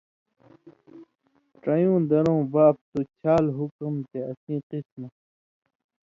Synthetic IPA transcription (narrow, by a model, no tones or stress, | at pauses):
ʈɐjũːd̪ɐɾõːbaːp̚t̪ut͡ɕʰaːlɦukumt̪eɐsĩːqisme